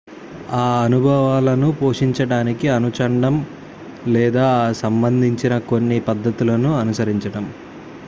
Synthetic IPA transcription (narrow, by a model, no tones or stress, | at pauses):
aːɐnubʱɐʋaːlɐnupoːʂiɲt͡ʃɐɽaːnikiɐnut͡ʃɐɳɖɐm | lɛːd̪aːsɐmbɐnd̪ʱiɲt͡ʃinɐko̞nːipɐd̪ːɐt̪ulɐnuɐnusɐɾiɲt͡ʃɐɽɐm